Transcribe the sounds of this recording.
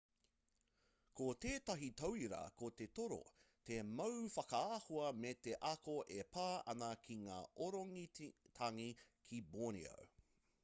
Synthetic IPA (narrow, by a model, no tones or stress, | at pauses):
kot̪eːtɐɦitɐwiɾɐ̰kot̪etoɾo̰ | t̪emɐwfɐkɐaːhoɐmeteʔɐkoʔepʰaːɐ̰nɐkʰiŋa̰ːʔoɾoŋit̪ʰɐŋikʰiboːnḭo̰w